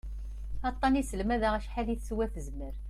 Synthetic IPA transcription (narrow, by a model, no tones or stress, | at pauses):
ɑt̪ˤːɑnisəlmæðaʁæʃħaliθswæθəzməɾ